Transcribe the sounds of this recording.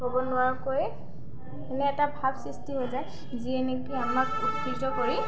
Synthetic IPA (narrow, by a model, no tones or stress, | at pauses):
ɦobɔnʊwaɹkojɛ | ɛnɛɛtabʱabsɹistiɦojzaj | zienetiamakutːizɔkoɹi